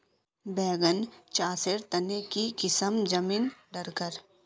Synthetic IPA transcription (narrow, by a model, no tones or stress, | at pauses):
bɛːɡənt͡ʃaːsɪɾt̪ɐnekikɪsəmd͡ʒɐmiːnɖɐɾkəɾ